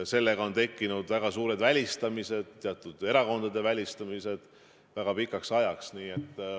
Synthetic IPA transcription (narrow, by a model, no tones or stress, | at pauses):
se̞lːe̞ɡ̥ɑo̞nt̪e̞kːinud̪̥væɡ̥ɑsuːɾe̞d̪vælʲist̪ɑmise̞d̪̥̚t̪ːeɑt̪ːˑud̪̥e̞ɾɑko̞nd̪̥ɑd̪e̞vælʲist̪ɑmise̞d̪̥ | væɡ̥ɑpikːˑɑksɑjɑksniːe̞t̪ː